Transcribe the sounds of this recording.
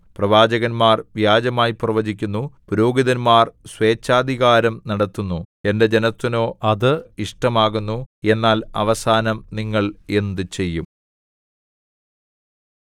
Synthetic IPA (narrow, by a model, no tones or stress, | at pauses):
prɐʋaːd͡ʑɐɣɐnmaːrʋjaːd͡ʑɐmaːjiprɐʋɐd͡ʑikʲːunːupuɾo̞ːɡiðɐnmaːrswe̞ːt͡ɕːaːd̪ʱiɣaːɾɐmnɐɽɐt̪ːunːue̞nde̞d͡ʑe̞nɐt̪ːino̞ːɐðɨiʂʈɐmaːɣunːue̞nːaːlɐ̰ʋɐsaːnɐmniŋːɐɭe̞nd̪ɨt͡ɕe̞jːum